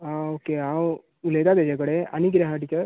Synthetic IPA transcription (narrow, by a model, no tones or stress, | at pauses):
aokeaw | ulejt̪at̪ed͡ʑãk̬əɽea̰niɡɾaɦaʈikə